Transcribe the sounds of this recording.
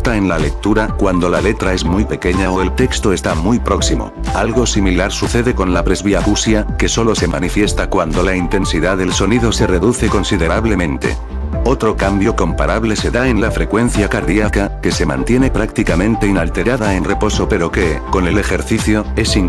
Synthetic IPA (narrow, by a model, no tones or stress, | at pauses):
t̪ae̞nlale̞k̚t̪uɾakwand̪o̞lale̞t̪ɾae̞zmujpe̞ke̞ɲao̞e̞lt̪e̞kst̪o̞e̞st̪amujpɾo̞ksimo̰alɣ̞o̞similaɾsuθe̞ðe̞ko̞nlapɾe̞zβiafusjake̞so̞lo̞se̞ma̰nifje̞st̪akwand̪o̞laint̪e̞nsiðaðe̞lso̞niðo̞se̞re̞ðuθe̞ko̞nsiðe̞ɾaβle̞mẽ̞nt̪e̞̰ | o̞t̪ɾo̞kambjo̞ko̞mpaɾaβle̞se̞ðae̞nlafɾe̞kwe̞n̟θjakaɾðiakake̞se̞mã̰nt̪je̞ne̞pɾakt̪ikamẽ̞nt̪e̞inalt̪e̞ɾaðae̞nre̞po̞so̞pe̞ɾo̞ke̞ko̞ne̞le̞xe̞ɾθiθjoe̞siŋ